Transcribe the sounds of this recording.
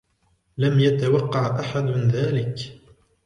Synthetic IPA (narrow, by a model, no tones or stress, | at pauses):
lamjat̪awɑqːɑʕʔaħad̪nðaːlɪk